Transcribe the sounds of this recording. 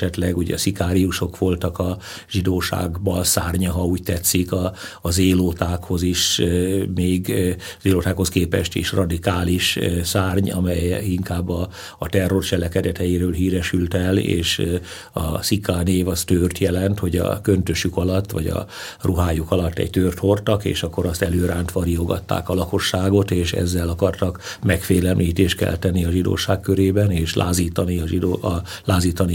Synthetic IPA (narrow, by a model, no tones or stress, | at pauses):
ɛt̪lɛɡuɟɛ̰sikaːɾiuʃo̞kʋo̞lt̪ɒkɒ | ʒ̥id̪oːʃa̰ːɡbɒlsa̰ːrɲɒɦɒuːct̪ɛt̪sikɒːzeːloːt̪aːkho̞ziʃ | meːɡ | zeːloːt̪aːkho̞skeːpɛʃt̪ḛːʃrɒd̪ikaːliʃsaːrɲɒ̰mɛjiŋkaːbːɒː | t̪ɛrːo̞rt͡ʃɛlɛkɛd̪ɛt̪ɛjiɾøːlɦiːɾɛʃylt̪ɛlḛːʃ | ɒ̰sikːaːneːvɒst̪øːrt̪jɛlɛnt̪ho̞ɟɒ̰kønt̪øʃukɒlɒt̪ːʋɒɟɒ̰ | ruɦaːjukɒlɒt̪ːɛ̰ɟt̪øːrt̪hort̪ɒkḛːʃɒkːo̞ɾɒst̪ɛløːɾaːnt̪ʋɒɾioɡɒ̰t̪ːa̰ːkɒlɒko̞ʃːaːɡo̞t̪eːʃɛ̰zːɛlɒkɒrt̪ɒkmɛkfeːlɛmliːt̪eːʃt̪̚kɛ̰lt̪ɛnːiɒʒid̪o̰ːʃaːkkøɾeːbɛneːʃlʔa̰ːziːt̪ɒniɒʒid̪ː | laːziːt̪ɒni